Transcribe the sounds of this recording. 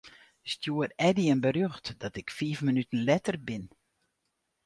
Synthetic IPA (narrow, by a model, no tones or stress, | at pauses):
stjuərɛdiənbərøxtd̥ɔtɪkfiːfmənytən̩lɛtərbɪn